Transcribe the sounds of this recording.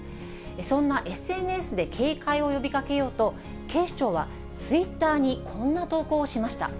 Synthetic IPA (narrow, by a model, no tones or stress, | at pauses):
esõ̞nːaʔe̞sɨe̞nɯ̟e̞sɨd̪e̞kʰe̞ːkaio̞jo̞bʲikake̞jo̞ːt̪o̞ | ke̞ːɕt͡ɕo̞ːβa̰ | t͡sɨit̪ːaːɲ̟ikʰõ̞nːat̪o̞ːko̞ːɕimaɕi̥t̪a̰